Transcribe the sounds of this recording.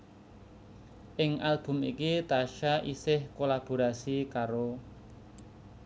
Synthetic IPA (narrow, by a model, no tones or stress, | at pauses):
ʔɪŋʔalb̥ʊ̤mikit̪aʃaʔisɪhkolab̥o̤ɾasikaɾo